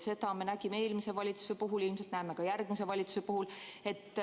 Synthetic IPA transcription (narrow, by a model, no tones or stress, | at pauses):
se̞t̪ɑme̞næɡimeeːlmise̞vɑlʲit̪su̥sepuɦulilms̬elt̪næeme̞kɑjærɡ̥mis̬e̞vɑlʲit̪su̥sepuɦule̞t̪ːˑ